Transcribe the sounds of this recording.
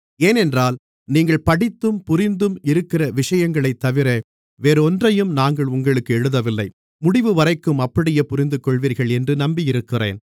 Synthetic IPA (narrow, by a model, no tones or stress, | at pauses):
eːnɛndraːl | niːŋɡɐɭpɐɽɪt̪ːɯmpʊɾɪnd̪ɯmɪɾɯkːɪrɐʋɪʂɐjɐŋɡɐɭɐɪt̪ːɐʋɪɾe | ʋeːɾɯɔndrɐjɯmnaːŋɡɐɭʊŋɡɐɭɯkːɯɛɻɯðɐʋɪlːɐɪ | mʊɽɪʋɯʋɐɾɐɪkːɯmɐpːɐɽɪjepʊɾɪnd̪ɯkːɔɭʋiːɾɣɐɭɛndrɯnɐmbijɪɾɯkːɪrḛːn